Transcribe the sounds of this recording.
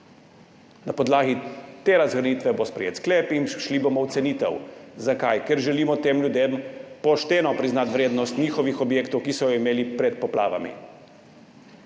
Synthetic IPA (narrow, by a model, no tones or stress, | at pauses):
napɔd̪laːɡit̪eːɾazɣɾaniːt̪ʋɛbospɾɛ̰jḛːt̪skleːpinʃlibomɔwt̪sɛniːt̪ɛ̰wzakajkɛɾʒɛliːmɔt̪eːmljud̪empɔʃt̪eːnɔpɾiznat̪ʋɾeːd̪nɔst̪nʲiːxɔʋixɔbjeːkt̪ɔwkisɔjɔimeːlipɾɛt̪̚pɔplʔa̰ːʋa̰mḭ